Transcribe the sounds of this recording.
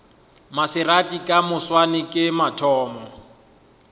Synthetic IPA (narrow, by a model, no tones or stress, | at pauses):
masɪratʼikʼamʊswanɪkʼɪmatʰɔːmɔ